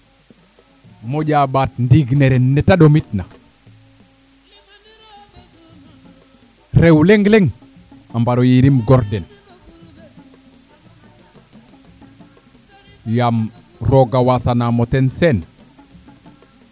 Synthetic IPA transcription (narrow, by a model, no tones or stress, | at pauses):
moɟabat̚ndiɡneɾenːetadomitna | ɾewleŋɡleŋ | ambaɾojiɾimɡɔɾden | jam | ɾoɡawasanamotensen